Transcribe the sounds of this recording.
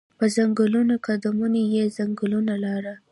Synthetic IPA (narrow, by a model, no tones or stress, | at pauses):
pəzaŋɡəlunokad̪amunejezaŋɡəlunalɑɾa